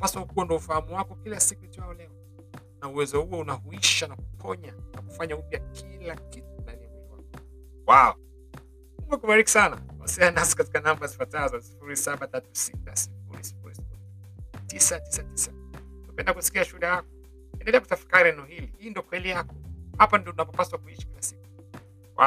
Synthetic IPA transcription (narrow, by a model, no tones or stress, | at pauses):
pasaukuɔndɔufahamuwakɔkilasikuitaɔlɛɔ | nauwɛzɔhuɔunahuiʃanakukʰɔɲanakufaɲaupjakʰilakitunanimiwa̰kɔ | waɔ | muɡɛkuɓaɾiki̥sana̰wa̰sianasi̥kati̥kanambazifatazɔsi̥fuɾisaɓatatu̥sita̰si̥fṵɾḭsi̥fṵɾisi̥fuɾi | tisatisatisa | napɛndakusi̥kiaʃuuɗajakɔ | ɛndɛlɛaku̥tafi̥kaɾihɛnɛɔhilihiːndiɔkwɛlijakɔhapandiɔtunapɔpaswakuiʃḁkilasiku̥ | wa̰